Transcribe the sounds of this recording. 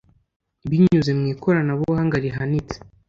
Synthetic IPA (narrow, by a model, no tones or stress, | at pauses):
βiɲuzemŋiːkʰo̞ɾanaβuhaŋɡaɾiɦanit͡se̥